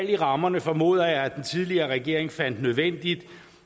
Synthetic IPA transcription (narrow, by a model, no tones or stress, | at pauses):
l̰iʁɑ̈mɐnəfɒ̽mo̝̰ːð̞̰ˠɐjɑ̈ɪæd̥ent͡sʰið̞ˠliɐːʁɛɡ̥e̝ɐ̰e̝ŋfæn̰d̥nøð̞ˠʋen̰d̥id̥